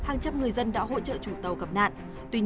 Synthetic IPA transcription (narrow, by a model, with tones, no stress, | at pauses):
haː˨˩ŋt͡ɕa˧mŋɨ˨˩əjzə˧nɗa̰ː˧˥ɦo̰˧˥t͡ɕə̰ː˧˨t͡ɕu˧˩t̪ə˨˩wɣə˨˩p̚na̰ː˧˨ʔ | t̪wi˧ɲ